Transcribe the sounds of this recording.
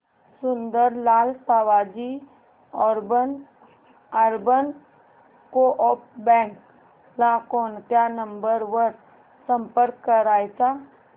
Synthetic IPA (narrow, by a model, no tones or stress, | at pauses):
sʊnd̪əɾlaːlsaːʋaːd͡ʒi | ɔɾbən | əɾbən | koʔɔːp̚bɛ̃ːŋk | lakoːnt̪janə̃mbəɾwəɾ | sə̃mpəɾkːəɾaːisa